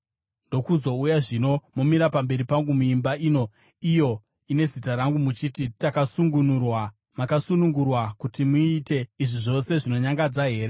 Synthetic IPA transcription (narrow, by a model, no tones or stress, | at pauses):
ndo̞kuzo̞ujaʐino̞momiɾapambe̞ɾipaŋɡumuimbaiːno̞ | ijo̞ | ine̞zitaɾaŋɡumut͡ʃititakasuŋɡunurwa | makasunuŋɡurwakutimuite̞iʐiʐo̞se̞ʐino̞ɲaŋɡad͡zaɦe̞ːɾe